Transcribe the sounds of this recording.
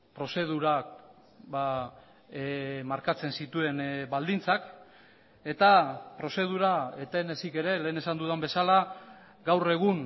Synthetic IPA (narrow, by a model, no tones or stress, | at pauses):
pɾo̞se̞ð̞uɾa | βa | maɾkat͡se̞nsit̪ue̞nbald̪int͡sak | e̞t̪apɾo̞se̞ð̞uɾaet̪e̞nesike̞ɾe̞le̞ːne̞sand̪uðambe̞sala | ɡawre̞ɣ̞un